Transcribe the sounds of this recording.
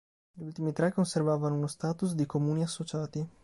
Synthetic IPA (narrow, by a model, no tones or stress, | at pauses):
ʎult̪imit̪ɾɛkːonservaːvanounost̪aːt̪us̬d̪ikomuːniasːot͡ʃaːt̪i